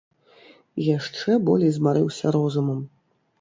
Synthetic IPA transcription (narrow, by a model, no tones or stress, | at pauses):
jaʂt͡ʂɛbɔ̰lʲɛjzmaɾɨwsʲɐɾɔzumɐm